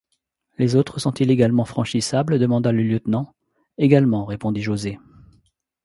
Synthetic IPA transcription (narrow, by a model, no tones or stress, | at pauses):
lezot̪χəsɔ̃t̪ileɡalmɑ̃fχɑ̃ʃisabləd̪əmɑ̃d̪aləljət̪nɑ̃ | eɡalmɑ̃ʁepɔ̃d̪iʒoze